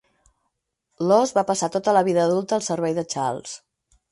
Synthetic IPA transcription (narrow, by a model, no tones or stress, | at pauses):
lɔzβapəsat̪ot̪ələβiðəːðulˠt̪əːlˠsəɾβɛjðət͡ʃa̰lˠs